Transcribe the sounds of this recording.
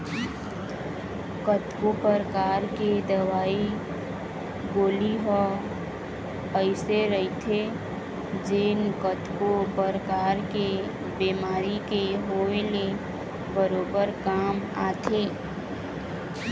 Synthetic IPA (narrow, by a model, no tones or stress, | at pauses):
kət̪kopəɾəkaːɾked̪əwaːi | ɡoːliɦə | əɪseɾəɦit̪ʰe | d͡ʒeːnkət̪kopəɾəkaːɾke | bemaːɾikeɦoːele | bəɾoːbəɾkaːmaːt̪ʰeː